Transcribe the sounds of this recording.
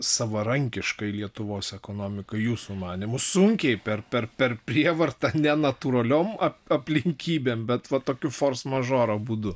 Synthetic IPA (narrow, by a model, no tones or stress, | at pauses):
sɐʋɐɾɐŋʲkʲɪʃkɐɪlʲiɛt̪ʊʋoːsɛkoːnoːmʲɪkɐjuːsuːmɑːnʲɪmʊsʊŋʲkʲɛɪpʲɛrpʲɛrpʲɛrpʲɾʲiɛʋɐrt̪ɐnʲɛnɐt̪uːɾɐlʲoːmɐɐpʲlʲɪŋʲkʲiːbʲeːmbʲɛt̪ʋɐt̪oːkʲʊfoːrsmɐʒoːɾobud̪ʊ